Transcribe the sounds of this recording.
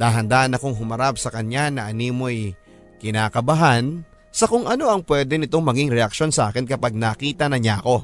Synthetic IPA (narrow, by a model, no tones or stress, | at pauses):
d̪aːɦɐnd̪aːhɐnɐko̞ŋɦʊmɐɾap̚sɐkɐɲanɐʔɐniːmoɐj | kɪnaːkɐbɐɦan | sɐkoŋʔɐno̞ʔɐŋpwɛːd̪ɛnɪt̪o̞ŋmɐɡiŋɾɛʔɐk̚ʃo̞nsɐʔaːkɪnkɐpaɡ̚naːkiːt̪ɐnɐɲaɐko̞